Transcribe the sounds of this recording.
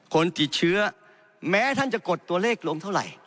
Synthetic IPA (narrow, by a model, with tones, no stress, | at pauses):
kʰo˧nt̪i˨˩t̪̚t͡ɕʰɯ˦˥ɐ | mɛː˦˥t̪ʰa˥˩nt͡ɕa˨˩ko˨˩t̪ːu˧ɐleː˥˩k̚lo˧ŋt̪ʰa˥˩wɾa̰˨˩j